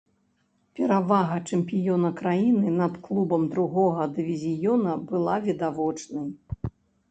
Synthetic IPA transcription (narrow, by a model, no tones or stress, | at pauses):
pʲɛɾavaɣɐt͡ʂɛmpʲijɔnɐkɾajinɨnɐt̪klˠubɐmd̪ɾuɣɔɣɐd̪ɨvʲizʲijɔnɐbɨlˠavʲid̪avɔt͡ʂnɐj